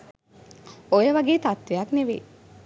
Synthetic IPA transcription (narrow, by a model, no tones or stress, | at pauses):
ojəʋaɡeːt̪at̪ʋejakneʋḛː